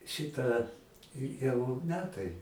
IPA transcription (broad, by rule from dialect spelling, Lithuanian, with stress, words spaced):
ˈʃʲɪtɐ ɪ jɛʊ ˈmʲæːtɐɪ